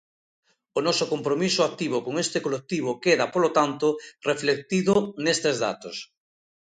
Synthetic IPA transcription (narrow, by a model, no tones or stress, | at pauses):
onɔsokompɾomisʊak̚t̪iβ̞okoŋest̪ekolek̚t̪iβ̞okeðapolot̪ant̪ʊreflek̚t̪iðʊnest̪ezða̰t̪os